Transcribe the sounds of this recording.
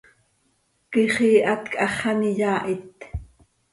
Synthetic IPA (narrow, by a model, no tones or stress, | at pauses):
kiχiːʔɑt̪kʼɑχɑnijaːʔit̪